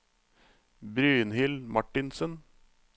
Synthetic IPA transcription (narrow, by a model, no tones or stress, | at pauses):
bɾyːənhɪlmɑʈɪnsən